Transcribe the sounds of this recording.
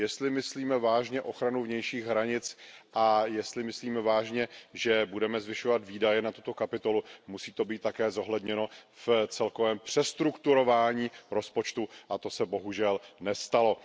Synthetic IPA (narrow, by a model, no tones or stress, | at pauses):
jɛst̪lɪmɪsliːmɛvaːʒɲɛʔo̞xɾanuvɲɛjʃiːɣɦɾaɲɪt͡sʔajɛst̪lɪmɪsliːmɛvaːʒɲɛʒɛbudɛmɛzvɪʃovat̪viːdajɛnat̪ut̪o̞kapɪt̪o̞lumusiːt̪o̞biːt̪ːakɛːzo̞ɦlɛdɲɛno̞ft͡sɛlko̞vɛːmpr̝̥ɛst̪ɾukt̪uɾo̞vaːɲiːɾo̞spo̞t͡ʃt̪uʔat̪o̞sɛbo̞ɦuʒɛlnɛst̪alo̞